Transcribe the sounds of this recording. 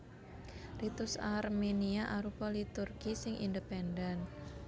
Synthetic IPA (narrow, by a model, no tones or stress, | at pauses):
rit̪usarmeniaʔaɾupɔlit̪urɡisɪŋʔḭndəpɛndɛn